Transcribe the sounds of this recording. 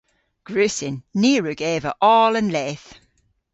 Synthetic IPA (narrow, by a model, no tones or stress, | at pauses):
ɡ̥ɹʉsɪnːiːɹʉɡɛːvəʔɔːlə̃nlɛːθ